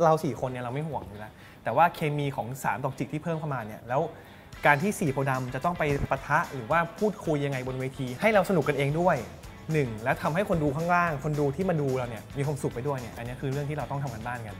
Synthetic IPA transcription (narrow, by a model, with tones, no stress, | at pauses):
ɾa˧wsiː˨˩kʰo˧nːi˥˩ɾa˧wma˥˩jhu˨˩əŋɯ˨˦lɛ˦˥ | t̪ɛː˨˩waː˥˩kʰeː˧miː˧kʰɔː˩˦ŋsaː˩˦mt̪ɔː˨˩t͡ɕi˨˩t̪̚ʰiː˥˩pʰɤː˥˩mpa˧maː˧nːi˥˩ɐlɛː˦˥w | kaː˧nt̪ʰiː˥˩siː˨˩pʰoː˧da˧mt͡ɕa˨˩t̪ɔ˥˩ŋpa˧jpa˧t̪ʰa˦˥ʔɾɯː˩˦waː˥˩pʰuː˥˩t̪̚kʰu˧jːa˧ŋːa˧jbo˧nweː˧t̪ʰiː˧ha˥˩jɾa˧wsa˧nu˨˩kːka˧nʔeː˧ŋdu˥˩əj | nɯ˨˩ŋlɛ˦˥wt̪ʰa˧mɦa˥˩jkʰo˧nduː˧kʰaː˥˩ŋɾaː˥˩ŋkʰo˧nduː˧t̪ʰiː˥˩ma˧duː˧ɾa˧wni˥˩ɐmiː˧kʰa˧msu˨˩k̚pa˧jdu˥˩əjni˥˩ɐʔa˧nːi˦˥kʰɯː˧ɾɯ˥˩əŋt̪iː˥˩ɾa˧wt̪ɔ˥˩ŋt̪ʰa˧mka˧nbaː˥˩nka˧n